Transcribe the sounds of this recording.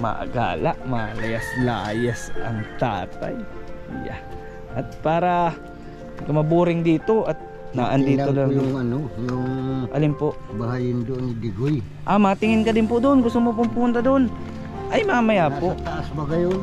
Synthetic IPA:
mɐ̰ʔɐ̰ɡa̰ːlaʔmɐlɐjaslaːjasʔɐ̰ŋt̪a̰ːt̪a̰jja̰ | ʔɐt̪̚paːɾɐ | kɐmɐbuːɾɪŋd̪iːt̪o̞ʔɐt̪̚ | naːʔɐnd̪iːolŋjŋɐnojʊŋʔɐ̰lɪmpo̞ʔbɐhajɪnd̪oʔonɪd̪ɪɡoj | ʔamɐt̪ɪŋɪnkɐd̪ɪnpod̪oʔonɡʊst̪omop̬ʊmpʊʊnt̪ɐd̪oon | ʔɐjmɐaamɐjaːpoʔ̪asbɐɡɐjon

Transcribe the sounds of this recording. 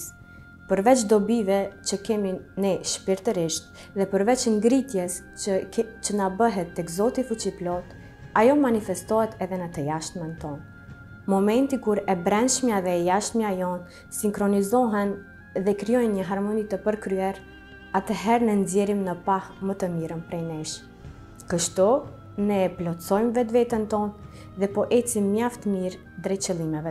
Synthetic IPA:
s | pəɾvɛt͡ʃd̪ɔbivɛt͡ʃəkɛminɛʃpiɾt̪əɾiʃt̪ | ðɛpəɾvɛt͡ʃəŋɡɾit̪jɛs | t͡ʃənabəɦɛt̪ːɛɡzɔt̪ifut͡ʃiplɔt̪ | ajɔmanifɛst̪ɔɦɛt̪ɛðɛnət̪əjaʃt̪mɛnt̪ɔn | mɔmɛnt̪ikuɾɛbɾɛnʃmjaðɛjaʃt̪miajɔn | siŋkɾɔnizɔɦɛn | ðɛkɾijɔjnɲəɦaɾmɔnit̪əpəɾkɾyɛɾ | at̪əɦɛɾnənzjɛɾimnəpahmət̪əmiɾənpɾɛjnɛʃ | kəʃt̪u | nɛːplɔtt͡sɔjmvɛt̪vɛt̪ənt̪ɔn | ðɛpɔʔɛt͡simːjaft̪əmiɾ | d̪ɾɛt͡ʃəlˠimɛvɛ

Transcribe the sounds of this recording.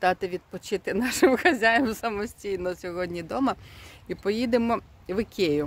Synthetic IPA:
d̪ɑt̪ɪʋʲid̪̚pɔt͡ʃɪt̪ɪnɑʃɪmxɐzʲajɐmsɐmɔsʲtʲijnɔsʲɔɦɔdʲnʲid̪ɔmɐipɔjid̪emɔ | ʋɪkʲejʊ

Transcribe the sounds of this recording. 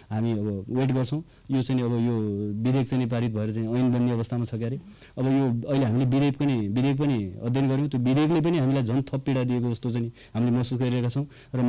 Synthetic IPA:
ɦamiʌbʌweʈɡʌrt͡sʰʌ̃w̃ | jot͡sajniʌbʌjobid̪ʱek̚t͡sajnip̬aɾit̪̚bʱʌeɾʌt͡sajniʌjnbʌnːeʌbʌst̪ʰamat͡sʰʌkjaɾe | ʌbʌjoʌileɦamilebid̪epkʌnibid̪ʱek̚pʌniʌd̪ʱjʌnɡʌɾj̃w̃t̪jobid̪ʱeklep̬ʌniɦamilajd͡zʱʌnt̪ʰʌppːiɽad̪iek̬od͡zʌst̪ot͡sajni | ɦamilemʌsusɡʌɾiɾʌɦekat͡sʰʌ̃w̃ | rʌ

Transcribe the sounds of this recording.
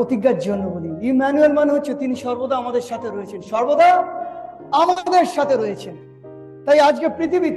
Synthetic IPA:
ot̪iɡːad͡ʑonːobod̪iimɛnuelmaneɦotːɕʰet̪iniʃɔɾbod̪aamad̪eɾʃat̪ʰeɾojet͡ɕʰenʃɔɾbod̪a | amad̪eɾʃat̪ʰeɾɔjet͡ɕʰen | t̪ajad͡ʑkepɾit̪ʰibit̪

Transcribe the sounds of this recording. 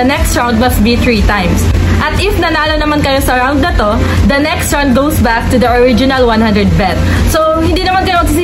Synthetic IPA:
ɐnɛkst̪ɹãwnd̪̚mɐst̪̚biθɹit̪ajms | ʔɐt̪ʔɪfnɐnaːlonɐmankɐjosɐɹãwnd̪̚nɐt̪o̞ | d̪ɐnɛkst̪ɹand̪̚ɡowsbak̚t̪ʊd̪ɐʔoɹɪd͡ʒɪnɐlwɐ̃nhɐ̃nd̪ɹɛd̪̚bɛt̪̚ | so | hɪnd̪iːnɐmankɐjomɐɡsisi

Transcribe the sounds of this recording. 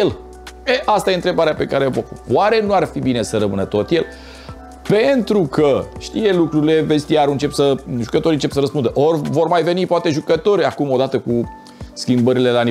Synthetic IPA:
el | eʔast̪aje̞ɨnt̪ɾe̞baɾeape̞kaɾevokwaɾe̞nuarfibine̞səɾəmɨnət̪o̞t̪je̞l | pe̞nt̪ɾukʰəʃt̪ije̞lukɾuɾile̞vest̪iaɾɨnt͡ʃe̞psəʒukət̪o̞ɾiɨnt͡ʃepsəɾəspund̪əʔorvo̞rmajve̞nipoat̪e̞ʒukət̪o̞ɾʲakumo̞d̪at̪əku | skʲimbəɾile̞lani

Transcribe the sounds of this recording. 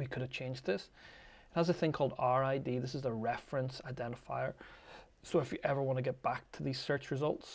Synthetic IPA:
wikʰʊɾəv̥t͡ʃʰẽnd͡ʒ̪ðɪs | ə̃nəzəθɪ̃ŋkʰɔlˠdaɹaɪdiðɪsɨzəɹɛfɹə̃nsaɪdɛ̃ñɪfa̰ɪə˞ | soɪfjəʔɛvə˞wɑ̃nəɡɛʔ̚b̥ak̚tʰəðiz̥sɜ˞t͡ʃɹɪzʌlˠts

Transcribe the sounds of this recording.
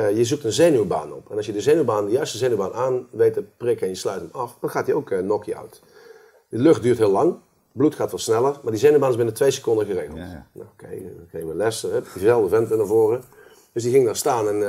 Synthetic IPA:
jəzuk̚tənzeːnyba̰ːnɔ̰pɛnɑsjədəzeːnybaːndəjœɥstəzeːnybaːnʔaːnʋejtəprɪkɛnjəslœɥtəmɑfd̥ɑnxaːtəowkʰnɔkiœ̰ɥt | dəløxt̚dyːrtɦɪːlɑŋ | blutxaːtʋɑtˠsnɛlˠərmaːɹdizeːnybaːnɪsbɪnətʋejsəkɔndəɣəreːɣəlˠtna̰okʰejkejʋəlɛsəɛizɛlˠvdəvɛntʋənavoːrə | døsdiɣɪŋdastaːnɛn

